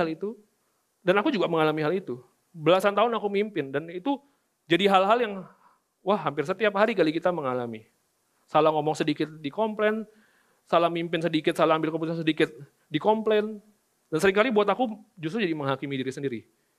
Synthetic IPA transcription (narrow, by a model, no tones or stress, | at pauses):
alit̪u | danakud͡ʒuɡaməŋalamiɦalit̪u | bəlasant̪aʊnakumimpɪndanit̪u | d͡ʒadiɦalɦaljaŋ | wahːampɪrs̬ət̪iapɦaɾikalikit̪aməŋalami | salaŋomɔŋsədikɪt̪̚dikɔmplɛn | salahmimpɪnsədikɪt̪salaambɪlkəput̪̬ansədikɪt̪̚ | dikɔmplɛn | dansəɾɪŋkalibuat̪akud͡ʒust̪ɾud͡ʒadiməŋɦakimidiɾisəndiɾi